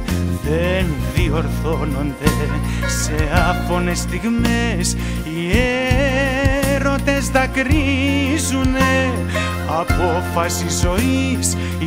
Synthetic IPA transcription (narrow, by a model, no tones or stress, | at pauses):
ðeneðioɾθonond̪e | seafonest̪iɣmes | ie | ɾot̪ezðakɾizune | apofasizoi | s